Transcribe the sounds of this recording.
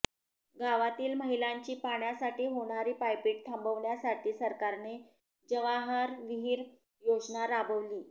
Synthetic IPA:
ɡaʋat̪iːlməɦilaɲt͡ɕiːpaɳjasaʈiːɦoɽ̃aɾiːpajpiːʈ̚t̪ʰə̃mbəʋɳjasaʈʰiːsəɾkaɾne | d͡ʑəʋaɦəɾʋiɦiːɾ | jod͡znaɾabəʋliː

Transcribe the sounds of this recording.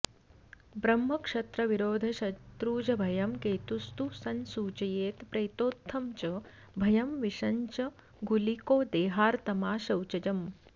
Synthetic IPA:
bɾɐmːɐkʂɐt̪ɾɐʋiɾoːd̪ʱɐʃɐt̪ɾuːd͡ʒɐbʱɐjɐmkeːt̪ust̪usɐnsuːt͡ʃɐjeːt̪pɾɐjt̪oːt̪ʰːɐmt͡ʃɐ | bʱɐjɐmʋiʂɐɲt͡ʃɐ | ɡulikoːd̪eːɦaːɾt̪ɐmaːʃɐwt͡ʃɐd͡ʒɐm

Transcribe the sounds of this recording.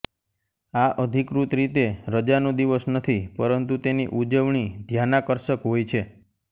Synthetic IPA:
aʔəd̪ʱikɾut̪ɾit̪eɾəd͡ʒanod̪iʋəsnət̪ʰipəɾənt̪ut̪enḭʔud͡ʒəʋɳid̪ʱjanakəɾʃəkɦojt͡ʃʰe

